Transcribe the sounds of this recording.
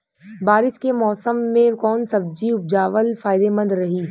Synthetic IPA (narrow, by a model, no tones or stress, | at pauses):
baːɾɪskemɔːsəmːẽkɔːnsɐb̚d͡ʒiʊp̚d͡ʒaːʋəlfaːɪd̪emɐ̃nd̪ɾɐɦiː